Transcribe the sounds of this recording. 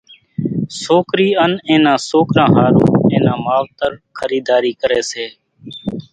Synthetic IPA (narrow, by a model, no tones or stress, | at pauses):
soːkɾiːənẽːnãːsoːkɾãːɦaːɾõːẽːnãːmaːʋt̪əɾkʰəɾiːd̪aːɾiːkəɾeːseː